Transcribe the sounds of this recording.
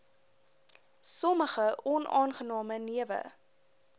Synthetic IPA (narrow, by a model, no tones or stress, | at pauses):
sɔməχəɔnɑːnχənɑːməniəvə̰